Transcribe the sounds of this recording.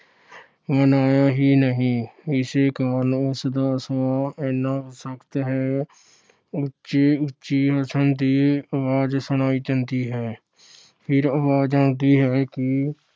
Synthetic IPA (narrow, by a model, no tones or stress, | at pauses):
mənaːjaːɦiːnəɦĩːɪseːkaːɾənʊsd̪aːsaːɛːnːaːɦsəkt̪ɦɛː | ʊtːʃeːʊtːʃiːɦəsənd̪iːəʋaːd͡ʒsʊñaːiːd͡ʒənt̪iːɦɛː | pʰɪɾəʋaːd͡ʒd͡ʒaːnt̪iːɦɛːkɪ